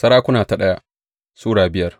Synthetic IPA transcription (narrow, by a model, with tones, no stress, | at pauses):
sɐ˦ɾaː˦kʷʊ˦naː˨ta˨ɗɐ˦ja˦ʔ | suː˦ɽaː˨bɪ˦jɐ˦r